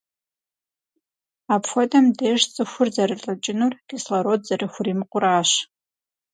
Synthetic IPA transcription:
apʰfʷadʼamdeʂt͡sʼɨxʷʊrd͡zarɨrʼat͡ʃʼɪnurɡ̥islaɾod̚zariχʷrimqʷʼʊraːʃ

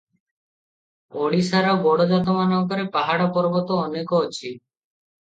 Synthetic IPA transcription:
oɽisaɾabɔɽɔd͡ʒat̪ɔmanɔŋkɔɾepaɦaɽɔpɔɾbɔt̪oːnekɔot͡ʃʰi

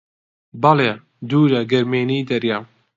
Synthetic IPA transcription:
bɐleː | d̪uːɾɐɡɐɾmeːniːd̪ɐɾja

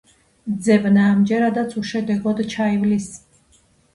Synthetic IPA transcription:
d̪zɛbnaːmd͡ʒɛɾad̪at̪sʰuʃɛd̪ɛɡɔd̪t͡ʃʰaivlis

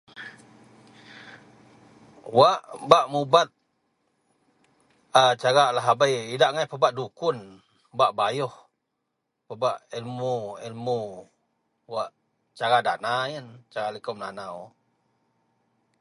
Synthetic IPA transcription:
waʔbaʔmubat̪̚ | at͡ʃaɾalaɦabajidaʔŋajpəbaʔdukʊn | baʔbajɔh | pəbaʔilmuilmu | waʔ | t͡ʃaɾada̰najənt͡ʃaɾalikɔmnanaw

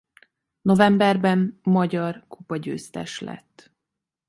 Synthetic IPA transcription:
no̞vɛmbɛrbɛnːɒɟɒrkupɒɟø̰ːst̪ɛ̰ʃlɛ̰t̪ː

